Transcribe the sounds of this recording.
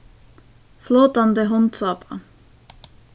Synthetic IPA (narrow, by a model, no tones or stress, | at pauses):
floːt̪ɑnd̪əɦɔnsɑːpɑ̰